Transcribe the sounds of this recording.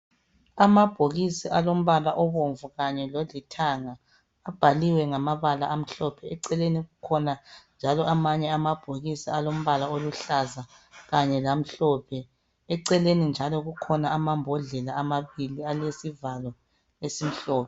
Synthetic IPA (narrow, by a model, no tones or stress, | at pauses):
amab̥ʱoɣisiʔalom̩βalaʔɔβoɱvuɣaɲɛlolitʰaŋa | ab̥ʱaliwɛŋamaβalaʔam̩ɬɔpʰɛɛǀɛleniɣukʰɔnand͡ʒʱalɔʔamaɲɛamab̥ʱoɣisialom̩βalaoluɬaza | ɣaɲɛlam̩ɬɔːpʰɛ | ɛǀɛlenind͡ʒʱalɔɣukʰɔnaamambʱɔɮɛlaamaβilialesivalɔ | esim̩ɬɔːpʰɛ